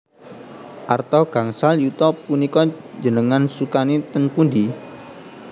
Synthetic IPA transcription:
ʔart̪ɔɡ̥a̤ŋsaljut̪ɔpunikɔ̥d͡ʒənəŋansukanit̪ənpundi

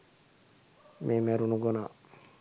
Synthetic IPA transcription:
mʔeːmeɾunuɡonaː

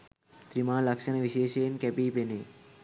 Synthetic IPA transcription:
t̪ɾimãːlɐkʃənʋiʃeːʃeːnkɛpipeneː

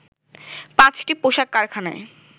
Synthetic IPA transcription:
pãt͡ɕʈipoʃakːaɾkʰanae

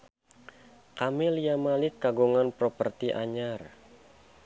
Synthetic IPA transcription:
kamɛlijamalɪkːaɡuŋanpɾɔpərt̪iʔa̰ɲar

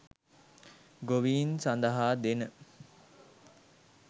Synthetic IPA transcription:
ɡoʋiːnsand̪əɦaːd̪enə

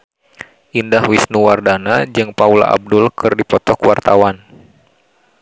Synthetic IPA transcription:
ʔindahwisnuwardanad͡ʒɨŋpaula̰ʔa̰b̚dʊlkʰɨrdipɔt̪ɔkwart̪awan

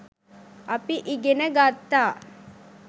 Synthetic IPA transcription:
ɐpiʔiɡenɐɡaːt̪ːaː

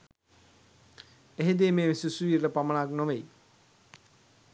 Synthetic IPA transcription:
eɦed̪emeːʋesusuiːɾɾəpamaɳaknoʋej

